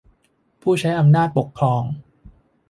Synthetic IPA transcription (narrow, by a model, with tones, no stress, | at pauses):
pʰuː˥˩t͡ɕʰa˦˥jʔa˧mnaː˥˩t̪̚po˨˩kʰːɔː˧ŋ